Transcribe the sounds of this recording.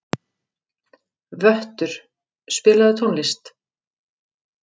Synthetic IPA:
vœht̪ʏɾ̥ | spɪːlaðɪt̪ʰownlɪst̪

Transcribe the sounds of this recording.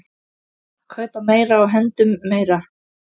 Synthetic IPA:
kʰvaːjt̪ameːjɾaːwɦɛnt̪ʏmːeːjɾa

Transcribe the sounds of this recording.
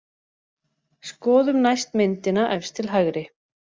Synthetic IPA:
skɔːðʏmnajst̪mɪnt̪ɪnaʔɛfst̪ʰɪlɦaɣɾɪ

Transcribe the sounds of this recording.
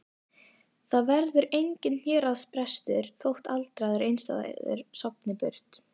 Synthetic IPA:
θaðvɛɾðʏɾejɲcɪnhjɛːɾaðspɾɛst̪ʏɾ̥θowht̪alt̪ɾaːðɪɾejnst̪a̰ða̰ðʏ̰ɾ̥sɔpnɪpʏɾ̥t̪

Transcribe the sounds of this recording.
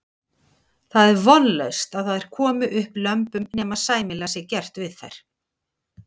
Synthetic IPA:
θaðɛɾvɔnlœ̰ɥst̪aðθaðɛɾ̥kʰɔːmʏʔʏhplœmpʏmnɛːmaðsaːjmɪlasjɛɣcɛr̥t̪vɪðθa̰jɾ̥

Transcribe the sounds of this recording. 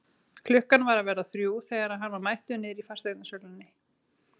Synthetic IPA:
kʰlʏhkanvaɾaðvɛɾðaθɾjuːθɛɣaɾaðɦanːvaɾmajht̪ʏnɪɾifar̥st̪ejt̪nasœlʏnːɪ

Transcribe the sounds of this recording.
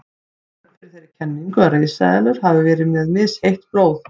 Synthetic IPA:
fɪɾ̥θejɾɪ̥ɾcʰɛnːiŋkʏaɾejsa̰ðɛlʏɾ̥havʏvɛːɾɪmɛðmɪshejht̪pɾoːwð

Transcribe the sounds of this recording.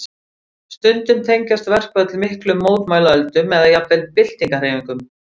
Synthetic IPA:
st̪ʏnt̪ʏnt̪ʰejɲcast̪vɛr̥kvɛðt̪ʰɪlmɪhklʏmːoːwt̪maːjlaœlt̪ʏmɛðaðjakvɛlt̪̚pɪl̥t̪iŋkar̥eːjmiŋkʏm

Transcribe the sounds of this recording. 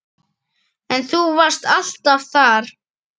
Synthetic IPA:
ɛnθuvḁst̪al̥t̪avθaɾ

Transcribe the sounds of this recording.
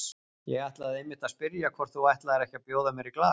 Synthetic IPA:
jɛɣajht̪laðejmːɪht̪aðspɪɾjakʰvɔɾ̥θuajht̪laɛɾɛhcapjoːwðamjɛɾiklaː

